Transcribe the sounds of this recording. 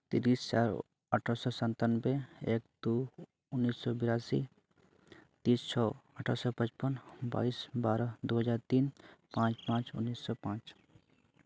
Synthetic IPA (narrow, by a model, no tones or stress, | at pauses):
t̪iɾiːst͡ʃaːɾ | əʈʰaɾsɔːsənt̪anbeeːk̚d̪̥u | ʊnːiːsːɔbɪɾaːsḭ | t̪iːst͡ʃʰɔːəʈʰaɾsɔpə̃t͡ʃpənba̰ːisbaːɾəd̪uɦəd͡ʒaːɾt̪iːnpãːt͡ʃpãːt͡ʃʊ̰nːiːsːɔːpãːt͡ʃ